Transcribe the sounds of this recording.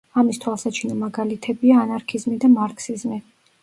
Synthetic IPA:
amist̪ʰwalˠsat͡ʃʰinɔmaɡalit̪ʰɛbiaːnaɾkʰizmid̪amaɾksizmi

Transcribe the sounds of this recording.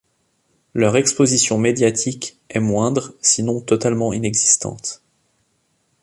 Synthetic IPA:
lœʁɛkspozisjɔ̃med̪jat̪ʰik | ɛmwɛ̃d̪ʁsinɔ̃t̪ɔt̪almɑ̃inɛɡzist̪ɑ̰̃t̪

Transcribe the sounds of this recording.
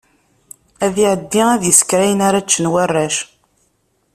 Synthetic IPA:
æðiʕəd̪ːiæðjəskɾæjənaɾat͡ʃːənwarˤːæʃ

